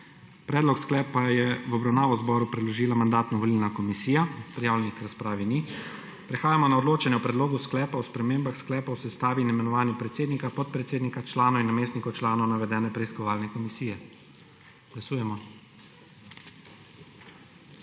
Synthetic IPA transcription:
pɾɛːd̪lɔksklɛːpajɛʋɔbɾawnaːʋɔzbɔɾupɾɛd̪lɔʒiːlamand̪aːt̪nɔʋɔliːlnakɔmisiːjapɾijaːwlʲɛnikɾaspɾaːʋini | pɾɛxaːjamɔnaɔd̪loːt͡ʃɛnjɛwpɾɛd̪loːɡusklɛːpawspɾɛmeːmbaxsklɛːpawsɛst̪aːʋinɛmɛnɔʋaːnixpɾɛt̪seːd̪nikapɔt̪̚pɾɛt̪seːd̪nikat͡ʃlaːnɔinɔmeːsnikɔwt͡ʃlaːnɔwnaʋɛd̪ɛːnɛpɾɛiskɔʋaːlnɛkɔmisiːjɛ | ɡ̥lasuːjɛmɔ

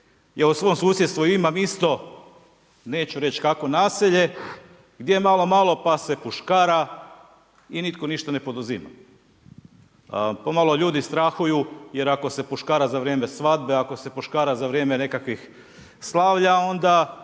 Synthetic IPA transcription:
jausʋo̞ːmsuːsjet̪st̪ʋuiimamist̪o̞ | ne̞ːt͡ɕuɾe̞t͡ɕkako̞naːsiʎe̞ | ɡd̪jemalˠo̞malˠo̞pase̞puʃkaːɾa | init̪ko̞niʃt̪ane̞po̞d̪uzima̰ | pomalo̞ʎuːd̪ist̪ɾaxujuje̞ɾako̞se̞puʃkaːɾazaʋɾjeːme̞sʋad̪beako̞se̞puʃkaːɾazaʋɾjeːme̞ne̞kakʋix | slˠaʋʎao̞nd̪a

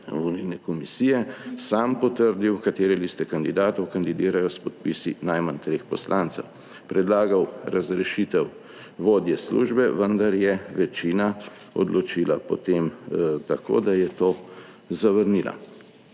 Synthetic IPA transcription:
uninɛkɔmisiːjɛsampɔt̪əɾd̪iwkat̪eːɾɛlist̪ɛkand̪id̪aːt̪ɔwkand̪id̪iːɾajɔspɔt̪̚pisinajmant̪ɾeːxpɔslʔaːnt̪sɛ̰w | pɾɛd̪laːɡawɾazɾɛʃit̪ɛw | ʋoːd̪jɛslṵːʒbɛʋənd̪aɾjɛʋɛt͡ʃiːna | ɔ̰d̪lɔt͡ʃiːlapɔ̰t̪emt̪ako̰ːd̪ajɛt̪oː | zaʋəɾniːla̰

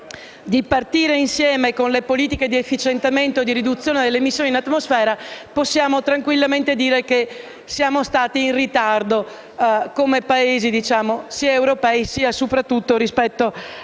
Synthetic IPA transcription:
d̪ipart̪iːɾeinsjɛːmekonlepoliːt̪iked̪iefːit͡ʃent̪ament̪oed̪iɾid̪ut̪sːjoːned̪elːemisːjoːninat̪ːmosfɛːɾaposːjaːmot̪ɾaŋkwilːament̪ed̪iːɾeke | sjaːmost̪aːt̪iːnrit̪ard̪o | komepaeːzid̪it͡ʃaːmosiaewɾopɛisiːasopɾat̪ːut̪ːoɾispɛt̪ːo

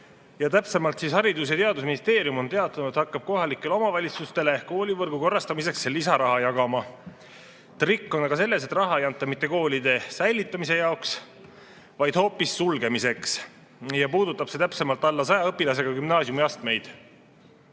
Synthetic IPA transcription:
jɑt̪æpse̞mɑlt̪siːshɑɾid̪us̬jɑt̪e̞ɑd̪us̬minist̪e̞ːɾiumo̞nt̪e̞ɑt̪ːˑɑnut̪hɑkːɑb̥̚ko̞ɦɑlikːˑe̞leo̞mɑvɑlʲit̪sust̪e̞le̞ko̞ːlʲivɤrɡ̥uko̞rːɑst̪ɑmise̞ksːelːisɑɾɑɦɑjɑɡ̥ɑmɑ | t̪rikːo̞nɑɡ̥ɑse̞lːe̞se̞t̪rɑɦɑejɑnt̪ːˑɑmit̪ːe̞ko̞ːlid̪̥e̞sæjlit̪ˑːɑmise̞jɑoks | vɑjd̪̥ho̞ːpːˑisːulɡ̥e̞mise̞ks | jɑpuːd̪ut̪ːˑɑb̥se̞t̪æpse̞mɑlt̪ːˑɑlːɑsɑjɑɤpːˑilɑs̬e̞ɡ̥ɑkymnɑːsjumiɑst̪me̞jd̪̥

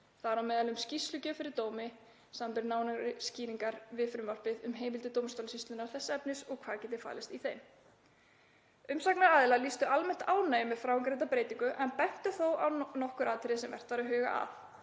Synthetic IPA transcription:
θaðaɾawmɛːðalʏmscist̪lʏcʏfɪɾɪɾt̪oːwmɪ | saːmampɛɾɪnaːwnaɾɪsciːniŋkaɾvɪðfɾʏmvar̥pɪðʏmɦeːjmɪlt̪ɪt̪oːwmst̪ownsist̪ʏnaɾ̥θɛsːɛpnɪsɔɣkʰvaːɾcɛːt̪̬ɪfa̰ːlɪst̪iθejm | ʏmsaknaɾaːðɪlalist̪ʏalmɛn̥t̪aːwnaːjmɪfɾaːwŋkɾejt̪apɾeːjt̪iŋkʏʔɛnpɛn̥t̪ʏθowʔawnɔhkʏɾaːðt̪ʰɪɾɪsɛmvɛ̰r̥t̪vaɾʏɦʏːɣa̰ʔa̰f

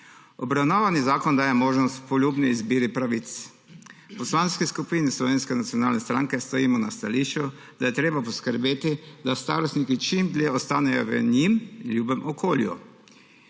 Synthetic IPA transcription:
ɔbɾawnaʋanizaːkɔnd̪aːjemoːʒnɔst̪pɔlʲjuːbnɛizbiːɾipɾaʋit̪s | pɔslanskɛskupiːnɛslɔʋeːnskɛnat̪sijɔnaːlnɛst̪ɾaŋkɛst̪oimɔnast̪aliːʃt͡ʃu | d̪ajɛt̪ɾeːbapɔskəɾbeːt̪id̪ast̪a̰ːɾɔst̪nikit͡ʃimbljeːɔst̪aːnɛjɔʋə̰ɲimljuːbɛmʔɔkoːljṵ

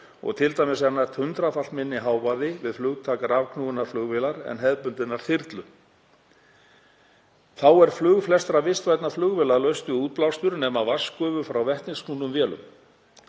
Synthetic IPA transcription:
ɔ̰ɣt̪ʰɪlt̪ajmɪsɛnajɾ̥t̪hʏnt̪ɾafal̥t̪mɪnːɪɦaːwvaðɪvɪðflʏɣt̪ʰaːkaɾavkʰnuːɣnaɾ̥flʏɣvɪlaɾɛ̰nɦɛðpʏnt̪ɪnaɾ̥θɪɾt̪lʏ | θawɛɾ̥flʏɣflɛst̪ɾavɪst̪vajt̪naflʏɣvɛːlalœɥst̪ʏuːt̪̚plawst̪ʏɾnɛːmavaskʏːvʏfɾawvɛht̪nɪsknuːnʏmvjɛːlʏ̰m

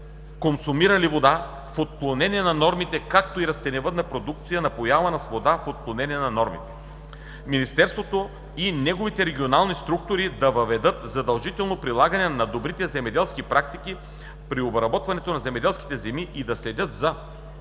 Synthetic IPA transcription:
konsumiɾɐlivod̪a | fot̪̚klˠonɛniɛnɐnɔɾmit̪ɛkak̚t̪oiɾɐst̪ɛnɛvɤt̪nɐpɾod̪uk̚t̪sijənɐpojavɐnɐsvod̪afot̪̚klˠonɛniɛnɐnɔɾmḭt̪ɛ̥ | minist̪ɛɾst̪vot̪o | inɛɡovit̪ɛɾɛɡʲionalˠnist̪ɾuk̚t̪ʊɾid̪ɐvɐvɛd̪ɤt̪zɐd̪ɐlˠʒit̪ɛlˠnopɾilˠaɡɐnɛnɐd̪obɾit̪ɛzɛmɛd̪ɛlˠskipɾak̚t̪iki | pɾiobɾɐbɔt̪vɐnɛt̪onɐzɛmɛd̪ɛlˠskit̪ɛzɛmiʔid̪ɐslɛd̪ʲɤt̪zɐ

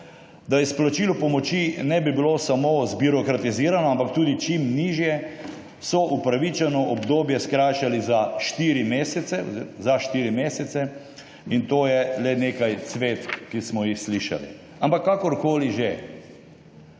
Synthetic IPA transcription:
d̪aisplat͡ʃiːlupɔmɔt͡ʃinɛbibilosamozbiɾɔkɾat̪iziːɾanɔampakt̪uːd̪it͡ʃimniʒjɛ | sɔʔupɾaʋit͡ʃɛnɔʔɔbd̪oːbjɛskɾaːjʃalizaʃt̪iɾimeːsɛt̪sɛ̰zaʃt̪iɾimeːsɛt̪sɛ | int̪oːjɛlɛneːkajt̪sʋeːt̪kismɔjixsliʃa̰lḭ | ampakːakɔɾkoːliʒe

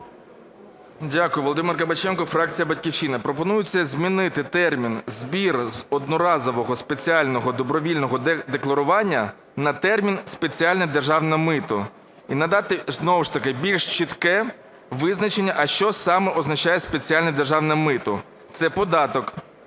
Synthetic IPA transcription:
dʲakʊjʊʋɔlˠɔd̪ɪmɪrkɐbɐt͡ʃɛnkɔfɾɑk̚t͡sʲijɐbɐtʲkʲiwt͡ʃinɪpɾɔpɔnujʊt͡sʲːɐzʲmʲinɪt̪ɪt̪ɛrmʲinzbʲirzɔd̪nɔɾɑzɔʋɔɦɔspet͡sʲiɑlʲnɔɦɔd̪ɔbɾɔʋʲilʲnɔɦɔd̪eklˠɐɾʊʋɑnʲːɐ | nɐt̪ɛrmʲinspe̞t͡sʲialʲnɐd̪erʒɑwnɐmɪt̪ʊ | inɐd̪ɑt̪ɪznɔwʊʃt̪ɐkɪbʲilʲʃt͡ʃit̪kɛ | ʋɪznɐt͡ʃenʲːɐʔɐʃt͡ʃɔsɑmɛʔɔznɐt͡ʃajɛspe̞t͡sʲialʲnɐd̪erʒɑwnɐmɪt̪ʊ | t̪sɛpɔd̪ɑt̪ɔk

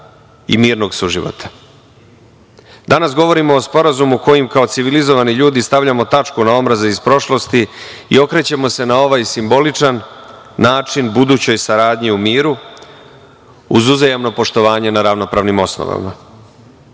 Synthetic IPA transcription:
ḭmiːɾno̞ɡsuʒiʋo̰t̪ʰḁ | d̪anas̬ɡo̞ʋo̞ɾimo̞ːspo̞ɾazumuko̞jimkao̞t̪siʋilizo̞ʋaniʎuːd̪ist̪aʋʎamo̞t̪at͡ʂkunao̞mɾazeispɾo̞ʃlˠo̞st̪iḭo̞kɾe̞t͡ɕe̞mo̞se̞nao̞ʋaːjsimbo̞lit͡ʂanː | aːt͡ʂinbud̪uːt͡ɕo̞jsaɾaːd̪ɲiumiːɾu | uzuzajamno̞po̞ʃt̪o̞ʋaːɲe̞naɾaʋno̞pɾaːʋnimo̞sno̰ʋa̰ma̰

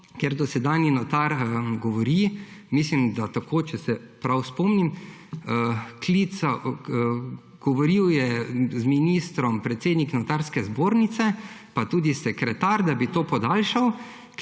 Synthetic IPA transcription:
kɛɾd̪ɔsɛd̪aːnjinɔt̪aɾɡɔʋɔɾimislimd̪at̪akʰoːt͡ʃɛsɛpɾawspɔːmnim | klisa | ɡ̥ɔʋɔɾiwjɛzminist̪ɾɔmpɾɛt̪seːd̪niknɔt̪aɾskɛzboːɾnit̪sɛpat̪uːd̪isɛkɾɛt̪aɾd̪abit̪oːpɔd̪alʃaw

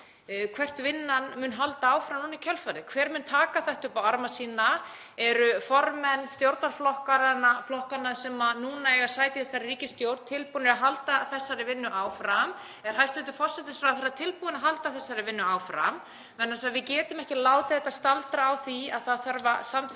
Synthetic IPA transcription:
kʰvɛr̥t̪vɪnːanmʏnɦalt̪aaːwfɾamnuːnaicʰœlfaɾðɪkʰvɛːɾmʏnt̪ʰaːkaθɛht̪ʏpawaɾmasiːna | ɛɾʏfɔɾmɛnːst̪jowɾt̪naɾ̥flɔhkaɾanːaflɔhkanːasɛmanuːnaɛɣaɾ̥saːjt̪ɪθɛsːaɾriːcɪst̪jowɾt̪t̪ʰɪlpunɪɾaɦalt̪aθɛsːaɾɪvɪnːʏʔaːwfɾam | ɛɾ̥ɦajst̪ɛt̪ʏfɔr̥sɛt̪ɪsfɾawaθɛɾat̪ʰɪlpuðɪnaɦalt̪aθɛsːaɾɪvɪnːʏaːwfɾa̰m | vɛnːasaðvɪcɛːt̪ʏmɛhcɪlaːwt̪ɪθɛt̪ːast̪alt̪ɾaːwθiaðθaðθœɾvasam

